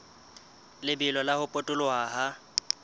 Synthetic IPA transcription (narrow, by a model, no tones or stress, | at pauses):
lɪbɪlɔlahʊpʼʊtʼʊlʊaːɦa